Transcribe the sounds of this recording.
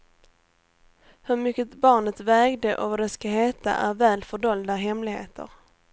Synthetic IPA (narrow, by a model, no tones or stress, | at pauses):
hɵɾmʏkːəbɑːɳət̪vɛːɡd̪əʔɔvaɖɛskaɦeːt̪a̰ʔæɾvæːlfœɖɔld̪aɦɛmlɪɡhḛːt̪ʰə̰ɾ